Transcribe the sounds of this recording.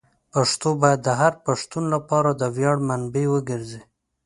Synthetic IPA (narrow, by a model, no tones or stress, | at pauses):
paʂt̪obɑjad̪ːəɦaɾpaʂt̪unlapɑɾad̪əwjɑɽmanbewəɡəɾze